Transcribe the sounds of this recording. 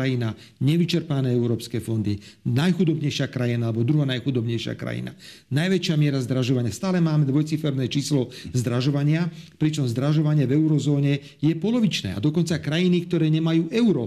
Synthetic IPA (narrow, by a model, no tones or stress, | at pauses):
ajina | ɲɛʋit͡ʃɛɾpanɛːɛʊɾɔːpskɛːfɔnd̪inajxud̪ɔbɲɛjʃɪakɾajinaːlɛbɔd̪ɾuɦanajxud̪ɔbɲɛjʃɪa̰kɾa̰jḭna̰ | najʋɛt͡ʃɪamɪɛɾazd̪ɾaʒɔʋaɲɪast̪aːlɛmaːmɛd̪ʋɔjt͡sifɛɾnɛːt͡ʃiːslɔzd̪ɾaʒɔʋaɲɪapɾit͡ʃɔmzd̪ɾaʒɔʋaɲɪɛvɛʊɾɔzɔːɲɛ | jɛpɔlɔʋit͡ʃnɛ̰ːa̰d̪ɔkɔnt͡sakɾajinikt̪ɔɾɛːɲɛmajuːʔɛʊɾɔ